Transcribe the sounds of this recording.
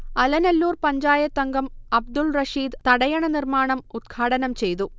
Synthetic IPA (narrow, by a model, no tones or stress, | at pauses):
ɐlɐnɐlːuːrpɐɲd͡ʑaːjɐt̪ːɐŋɡɐmɐb̚d̪ulrɐʂiːd̪t̪ɐɽɐjɐɳɐnirmaːɳɐmud̪̚ɡʰʱaːɽɐnɐmt͡ɕe̞jt̪u